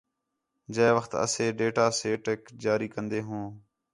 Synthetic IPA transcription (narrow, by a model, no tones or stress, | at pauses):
d͡ʒeːʋəxt̪ə̰seːɖeːʈaːseːʈeːkd͡ʒaːɾiːkənd̪eːɦõː